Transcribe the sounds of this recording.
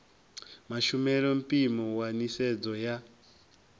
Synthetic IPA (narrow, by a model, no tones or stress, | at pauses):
maʃumɛlɔmpʼimɔwanisɛd͡zɔja